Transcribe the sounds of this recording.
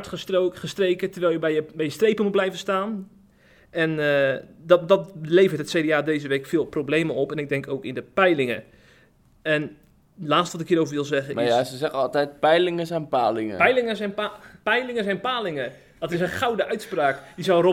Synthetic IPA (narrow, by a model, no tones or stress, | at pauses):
təχəstrejkətərʋɛlˠjəbɛjəbɛjəstrejpənmut̚blɛjvənstaːn | ɛn | ddɔtleːvərtətsedeaːdejzəʋeːkfɪːlˠprobleːməɔpɛnɪɡ̚dɛŋkʰoːkɪndəpɛjlɪŋə̰ | ɛn | laːtstəʋɔtɪkhiːɾoːvəɹʋɪlˠzɛɣənmajasəzɛɣəɑlˠtɛjt̚pɛjlɪŋəsɛjnpa̰ːlɪŋə̰pɛjlɪŋəzɛjnppɛjlɪŋəzɛjnpaːlɪŋə | d̥ɔtɪsənxawdəʔœɥtspraːkjəzawro